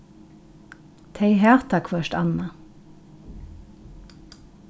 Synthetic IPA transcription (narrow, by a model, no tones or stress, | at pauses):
t̪ʰeɪɦæːʁt̪ʰɑkʰʋœʃtɑ̰nɑ